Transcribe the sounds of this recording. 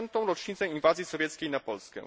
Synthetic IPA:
nt̪ɔ̃w̃ɾɔt͡ʂɲit̪sɛinvazʲjisɔvʲjɛt̪skʲejnapɔlskɛ̰̃

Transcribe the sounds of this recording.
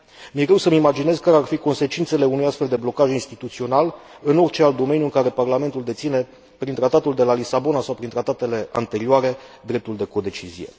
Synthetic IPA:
mjɾewsəmimad͡ʒine̞zkaɾearfiko̞nse̞t͡ʃint̪se̞le̞unujast̪fe̞ld̪e̞blo̞kaʒinst̪it̪ut̪sio̞nal | ɨno̞rʲt͡ʃe̞alt̪̚d̪o̞me̞njuɨŋkaɾe̞parlame̞nt̪uld̪e̞t̪sine̞ | pɾint̪ɾat̪at̪uld̪e̞lalisabo̞nasawpɾint̪ɾat̪at̪e̞le̞a̰nt̪e̞ɾioaɾe̞d̪ɾe̞p̚t̪uld̪e̞ko̞d̪e̞t͡ʃizije̞̰

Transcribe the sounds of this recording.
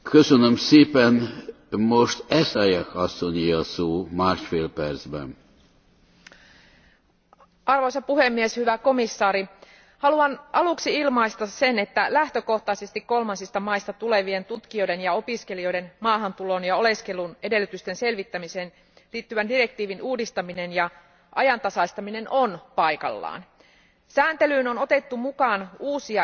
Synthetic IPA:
køsønømseːpɛn | moʃt̪ɛsɑjɑkɑsːoɲiɑsoːmaːrʃfeːlpɛrzbɛ̰n | ɑrʋojsɑpuhe̞mːieshyʋæko̞misːɑːɾi | hɑluɑnʔɑluksiilmɑist̪ɑsse̞ne̞t̪ːælæht̪øko̞ht̪ɑisest̪ikkːo̞lmɑnsist̪ɑmɑist̪ɑt̪ule̞ʋie̞nt̪ut̪kio̞jde̞njɑo̞piske̞lio̞jde̞nmɑːɦɑnt̪ulo̞njɑo̞le̞ske̞lune̞de̞lːyt̪yst̪e̞nse̞lʋit̪ːæmise̞ːn | liːt̪ːyʋændire̞k̚t̪iːʋinʔuːdist̪ɑmine̞njɑ | ʔɑjɑnt̪ɑsɑist̪ɑmine̞nʔo̞npɑjkɑ̰lːɑ̰ːn | sæːnt̪e̞lyːnonot̪e̞t̪ːumukɑːnuːsiɑ

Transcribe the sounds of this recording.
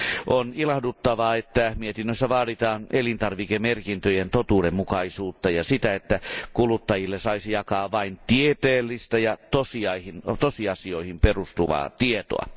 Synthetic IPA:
ʔonilɑhdut̪ːɑʋɑːet̪ːæmiet̪inːøsːæʋɑːɾit̪ɑːnelint̪ɑrʋikemerkint̪øjent̪ot̪uːdemmukɑisuːt̪ːɑjɑsit̪æet̪ːækulut̪ːɑjilːesɑisijɑkɑːʋɑint̪iet̪eːlːist̪ɑjɑt̪osiɑihint̪osiɑsioihimperust̪uʋɑ̰ːt̪iet̪o̰ɑ̰

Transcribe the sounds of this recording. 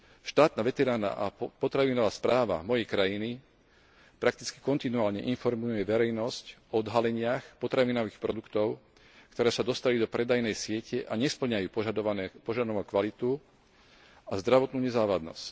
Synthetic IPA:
ʃt̪aːt̪naʋɛt̪ɛɾaːna̰ʔapɔt̪ɾaʋinɔʋaːspɾaːʋa̰mɔjɛjkɾajini | pɾak̚t̪i̥t͡ski̥kɔnt̪inuaːlɲɛʔinfɔɾmujujɛʋɛɾɛjnɔscɔɔd̪ɦalɛɲɪaxpɔt̪ɾaʋiːnɔʋiːxpɾɔd̪ukt̪ɔʊ | kt̪ɔɾɛːsad̪ɔst̪alid̪ɔpɾɛd̪ajnɛjsɪɛcɛʔaɲɛspl̩ɲajuːpɔʒad̪ɔʋɔkʋalit̪u | azd̪ɾaʋɔt̪nuːɲɛzaːʋad̪nɔ̰sc

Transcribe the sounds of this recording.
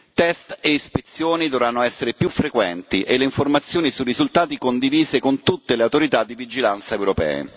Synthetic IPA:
t̪ɛst̪eispet̪sːjoːnid̪ovɾanːoɛsːeɾepjufːɾekwɛnt̪iʔelːeiɱformat̪sːjoːnisurizult̪aːt̪ikond̪iviːzekont̪ut̪ːeleawt̪oɾit̪ad̪ːivid͡ʒilant̪saewɾopɛ̰ːḛ

